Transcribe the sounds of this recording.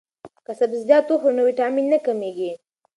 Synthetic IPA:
kasabzjɑt̪oxonəwiʈɑminːakameɡi

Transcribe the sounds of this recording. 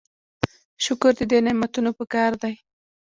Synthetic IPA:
ʃʊkʊɾd̪əd̪enɪmat̪unopəkɑɾd̪aj

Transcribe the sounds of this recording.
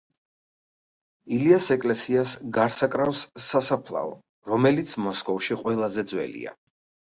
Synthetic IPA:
iliasɛkʼlɛsiasɡaɾsakʼɾafsasapʰlˠa̰ɔ̰ | ɾɔmɛlit̪sʰmɔskʼɔfʃiqʼwɛlˠazɛd̪zwɛ̰lḭa̰

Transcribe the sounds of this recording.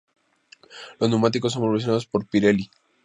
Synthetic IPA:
loznumat̪̬iko̞s̬ːompɾoβes̬jnaðospo̞ɾpiɾeli

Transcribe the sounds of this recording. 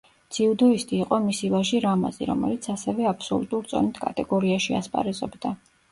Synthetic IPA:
t̪sʰiud̪ɔist̪ʼiːqʼɔmisivaʒiɾama̰zḭɾɔ̰mɛ̰lit̪sʰasɛvɛapʰsɔ̰lˠṵt̪ʼuɾt̪sʼɔ̰nit̪ʰkʼa̰t̪ʼɛɡɔɾiaʃia̰spʼa̰ɾɛzɔbd̪a

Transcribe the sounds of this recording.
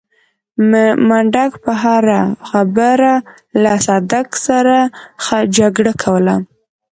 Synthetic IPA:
maɳɖakpəɦaɾaxabəɾa | lasɑd̪aksaɾaxad͡ʒaɡɽakʰawəla

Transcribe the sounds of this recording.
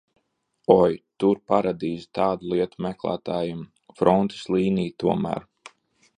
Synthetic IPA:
ɔjt̪uɾpaɾad̪iːzi̥t̪aːd̪ulˠiɛt̪umɛklˠæ̰ːt̪aːjim | fɾɔnt̪i̥slˠiːnijt̪uɔmæ̰ːɾ

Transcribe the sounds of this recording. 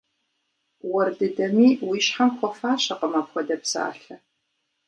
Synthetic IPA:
wɐrdɨdɐmiːwiːʃħamxʷɔfaːɕɐqəmaːpxʷɔdɐpsa̰ːɬɐ

